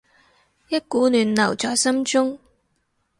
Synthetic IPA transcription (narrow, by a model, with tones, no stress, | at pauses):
jɐ˥t̚kuː˨˥nyː˨˧nlɐ˨˩wt͡sɔː˨jsɐ˥mt͡ʃʊ˥ŋ